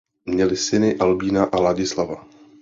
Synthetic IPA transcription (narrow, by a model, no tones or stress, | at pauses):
mɲɛlɪsɪnɪʔalbiːnaʔalaɟɪslava